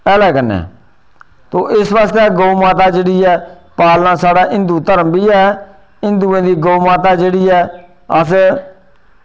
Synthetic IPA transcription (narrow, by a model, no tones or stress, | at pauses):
ɛːlɛːkənːɛ̰ː | t̪oːʔɪsʋaːst̪ɛːɡoːmaːt̪̬aːd͡ʒeːɽiːɛː | paːlnãːsaːɽaːʔɪ̃nd̪uːt̪əɾəmbiːɛː | ɪ̃nd̪uːẽːd̪iːɡoːmaːt̪aːd͡ʒeːɽiːɛː | əs